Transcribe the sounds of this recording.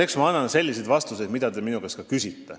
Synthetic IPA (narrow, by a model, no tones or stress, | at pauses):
eksmɑɑnːɑnse̞lʲːis̬e̞d̪vɑst̪use̞d̪mid̪ɑd̪eminuɡeskɑkysʲit̪ːe